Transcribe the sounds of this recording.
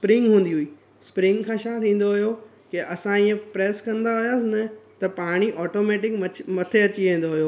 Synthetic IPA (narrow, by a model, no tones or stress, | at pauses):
spɾɪ̃ŋɡɦũːn̆d̪iɦuiː | spɾɪ̃ŋɡkʰãːʃaːt̪ʰĩːn̆d̪oɦʊjo | keʔɐsãiẽpɾeːskɐ̃nd̪aɦʊjaːsɪnɐt̪ɐpaːɽ̃iʔɔːʈoːmeːʈɪkmɐmɐt̪ʰeɐt͡ɕiʋẽːn̆d̪oɦijoː